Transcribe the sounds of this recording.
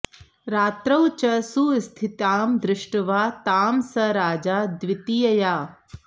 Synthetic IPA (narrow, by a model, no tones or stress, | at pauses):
ɾaːt̪ɾɐwt͡ʃɐsust̪ʰit̪aːmd̪ɾɪʂʈʋaːt̪aːmsɐɾaːd͡ʒaːd̪ʋɪt̪ijɐjaː